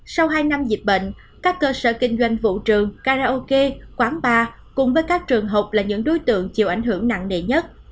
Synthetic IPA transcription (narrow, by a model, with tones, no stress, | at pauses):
sa˧wɦaː˧jna˧mzi˨˩p̚ɓḛ˧˨ŋ̟ | kaː˦˥kːəː˧sə̰ː˧˩kï˧ŋ̟zwa˧˩jŋ̟vṵ˧˨t͡ɕɨ˨˩əŋkaː˧zaː˧ʔo˧ke˧kwaː˨˦ŋɓaː˨˩ | kʊ̰˧˩ŋ͡mvəː˨˦jkaː˦˥k̚t͡ɕɨ˨˩əŋɦə˨˩wk͡p̚laː˨˩ɲɨ̰˧˥ŋɗo˨˦jt̪ɨ̰˧˨əŋt͡ɕi˨˩əwʔa˧˩jŋ̟ɦɨ˧˩əŋna̰˧˨ŋnḛ˧˨ɲə˦˥t̚